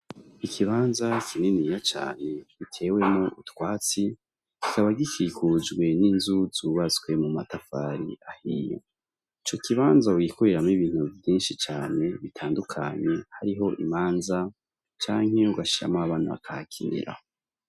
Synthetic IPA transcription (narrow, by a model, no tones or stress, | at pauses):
ikʰiβaːnzakʰininijat͡ʃa̰ːne̞ɡ̥itʰe̞ːwe̞mŋoʔutwaːt͡si | ki̥kaβaɡikʰikʰud͡ʒɡwe̞ninzuz̥uːβat͡swe̞mumatafaɾḭahijo̰ | it͡ʃo̞kiβaːnzauwikʰoɾeɾamiβiːn̥huvjiːnʃit͡ʃaːne̞βitʰaːndukʰa̰ɲe̞haɾiɦo̞ʔḭmaːnza | t͡ʃaːŋ̥e̞uɡaʃi̥a̰maːβaːn̥uβa̰kʰakʰinḭɾa̰